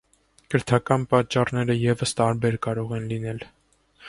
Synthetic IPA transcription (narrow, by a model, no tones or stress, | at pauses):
kəɾt̪ʰɑkɑnpɑt͡ʃːɑrnɛɾəjɛvəst̪ɑɾbɛɾkɑɾɔʁɛnlinɛl